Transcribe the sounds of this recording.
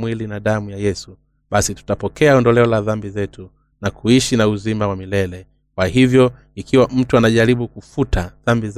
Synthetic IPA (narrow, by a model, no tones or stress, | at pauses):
mwilinaɗamujajɛsu | ɓasitu̥tapɔkʰɛaɔndɔlɛɔlaðambizɛtu | nakuiʃinauzimawamilɛlɛ | kwahivjɔ | ikiwam̩tuanaʄaɾiɓukufutʰaðambiz